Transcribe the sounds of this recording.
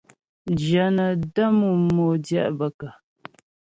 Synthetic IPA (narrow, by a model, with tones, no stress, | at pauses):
d͡ʒə˨˦nə˨də˦mu˨mo˨djɛ̰˦ʔbə˨kə˨